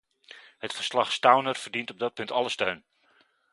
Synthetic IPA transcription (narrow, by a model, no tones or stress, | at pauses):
hətfərslɑχstawnərvərdintɔb̚dɔt̚pɵntɑləstøɥn